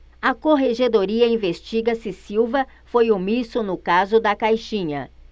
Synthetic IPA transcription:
ɐkoɦeʒed̪oɾiɐĩvest͡ʃiɡɐsɪsiwvɐ | fojʊmisʊnʊkazʊd̪ɐkajʃĩɲɐ̰

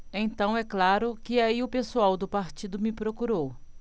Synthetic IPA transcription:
ẽt̪ɐ̃w̃ɛklaɾʊkɪaiʊpesuawd̪ʊpaɾt͡ʃid̪ʊmɪpɾokuɾow

